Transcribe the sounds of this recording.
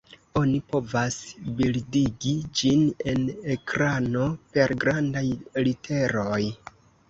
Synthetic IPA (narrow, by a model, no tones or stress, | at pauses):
o̞nipo̞vasbildiɡid͡ʒine̞nekɾano̞pe̞ɾɡɾandajlitʰe̞ɾoj